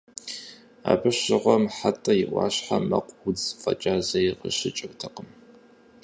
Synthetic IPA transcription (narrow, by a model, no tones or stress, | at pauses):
aːbɨɕɪʁʷɔmħatʼɐjɪʔʷɑ̰ːɕħamɐqʷʼʊd͡zfɐ̰t͡ʃʼaːzɐjqə̰ɕɪt͡ʃʼɨwtʰɐqʼəm